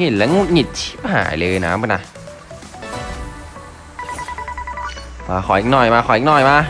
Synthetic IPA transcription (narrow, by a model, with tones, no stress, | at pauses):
ŋi˧˨˩t̪̚lɛ˦˥ŋu˧˩ŋi˨˩t̪̚t͡ɕʰi̥˦˥p̚ha̰ː˨˩˦jlɤː˧jna̰ː˦m˧˩na˧ | maː˧xʰɔ˨˩ʔi˨˧˩k̚nɔː˧˩jmaː˧xɔ˨˩˦i˧˩k̚nɔː˧˩jmaː˧